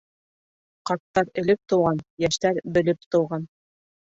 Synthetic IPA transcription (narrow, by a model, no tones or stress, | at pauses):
qɑt̪ːɑɾɘ̆lɘp̚t̪ŏwʁɑnjæʃt̪æɾbɘ̆lɘp̚t̪ŏwʁɑn